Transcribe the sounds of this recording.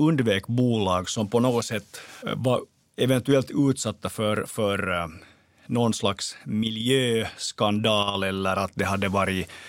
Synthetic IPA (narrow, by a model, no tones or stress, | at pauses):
ɵnd̪veːkbuːlɑːɡsɔmpɔnoːɡɔsɛt̪ːvɑɾ | ɛvɛnt̪ʉɛlt̪ʉ̟ːt̪sɑt̪ːafœɾfœɾ | nɔnslaksmɪljøːskand̪ɑːlɛlːəɾat̪̚d̪ɛɦad̪ːəvɑːɾɪ